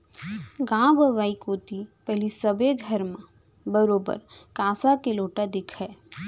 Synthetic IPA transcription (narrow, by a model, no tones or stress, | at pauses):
ɡãːbəʋaːikoːt̪ipɛɦlisəbeɡʱəɾmẽ | bəɾoːbə̰ɾkaːsakeloːʈad̪ɪkʰɦɛː